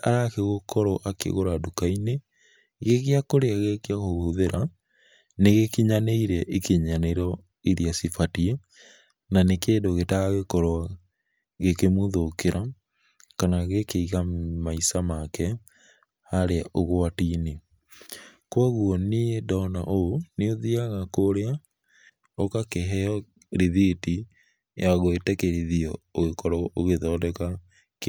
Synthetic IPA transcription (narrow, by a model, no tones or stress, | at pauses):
aɾakeɣokʰɔɾɔʔakḛɣoɾadukaine | ɣeɣeakoɾeaɣekeaɣoɣoðeɾʔa | neɣekiɲaneiɾɛʔekeɲaneiɾɔ | iɾiasifatie | nanekeːndoɣetaɣaɣekɔɾɔ | ɣekemoðokeɾʔa | kanaɣekeiɣamaisamakɛ | haɾeaʔoɣoatiːne | kwaɣuɔneedɔna̰ʔooneoðiaɣakoɾea | okakeɦɛɔ | ɾiðiti | jaɣoetɛkeɾiðiɔoɣekɔɾwɔʔoɣeðɔːdɛka | k